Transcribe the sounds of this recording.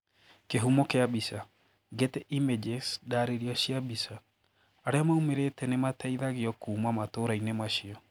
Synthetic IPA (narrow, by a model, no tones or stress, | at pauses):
keɦumɔkeabisa | ɡetɛʔimed͡ʒesdaɾeɾiɔɕiabisa | aɾeamaumeɾetɛnematɛiðaɣeɔkuːmamatoɾainemaɕiɔ